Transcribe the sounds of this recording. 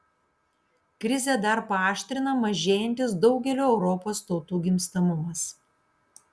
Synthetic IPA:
kɾʲɪzʲeːd̪ɐɾpɐɑːʃʲt̪ʲɾʲɪnɐmɐʒʲeːjɛnʲt̪ʲɪs̬d̪ɒʊɡʲɛlʲoːɛʊɾɔpoːst̪oːt̪uːɡʲɪmʲst̪ɐmʊmɐs

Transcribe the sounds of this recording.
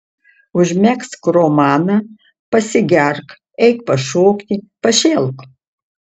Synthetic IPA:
ʊʒʲmʲækskromaːnɐ | pɐsʲɪɡʲærk | ɛjkpɐʂoːkt̪ʲipɐʃeːlˠk

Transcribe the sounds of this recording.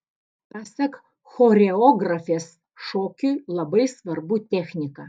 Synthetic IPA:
pɑsʲɛk | xoːɾʲɛɔːɡɾɐfʲeːs | ʃoːkʲulˠɐbɐɪsʋɐɾbut̪ʲɛxʲnʲɪkɐ

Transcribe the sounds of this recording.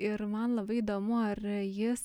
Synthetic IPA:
ɪɾmɐnlˠɐbɐɪid̪oːmʊɐɾjɪs

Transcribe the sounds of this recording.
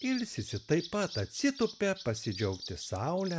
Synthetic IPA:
ɪlʲsʲɪsʲɪt̪ɐɪpɐt̪ɐt̪ʲsʲɪt̪ʊpʲɛpɐsʲɪd͡ʒʲɛʊkt̪ʲɪsɐʊlʲɛ

